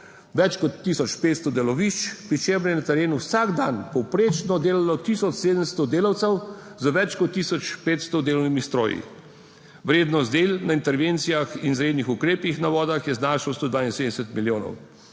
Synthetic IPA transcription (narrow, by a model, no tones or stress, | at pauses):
ʋɛt͡ʃkɔt̪ːisɔt͡ʃpeːt̪st̪ɔd̪ɛlɔʋiʃt͡ʃpɾit͡ʃebɾjɛnat̪ɛɾeːnuwsaɡd̪anpɔwpɾeːt͡ʃnɔd̪eːlalɔt̪isɔt͡ʃseːd̪əmst̪ɔd̪eːlawt̪sɛw | zəʋɛt͡ʃkɔt̪ːiːsɔt͡ʃpeːt̪st̪ɔd̪eːlɔwnimist̪ɾoːjḭ | ʋɾeːd̪nɔzd̪eːlnaint̪ɛɾʋeːnt̪sijaxinzɾeːd̪nixukɾeːpixnaʋɔːd̪axjɛznaːʃawst̪oːd̪ʋaːinseːd̪ɛsɛt̪miljoːnɔ̰w